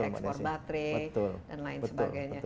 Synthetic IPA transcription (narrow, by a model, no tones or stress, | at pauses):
ɛksɔrbat̪ɾebəʊldanlaɪnəsəbɡajɲa